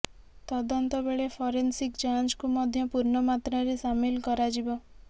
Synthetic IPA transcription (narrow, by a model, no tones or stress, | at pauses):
t̪ɔd̪ɔnt̪ɔbeɭepʰɔɾensikd͡ʒand͡ʒkumɔd̪ʱjɔpuɾɳɔmat̪ɾaɾesamilkɔɾad͡ʒibɔ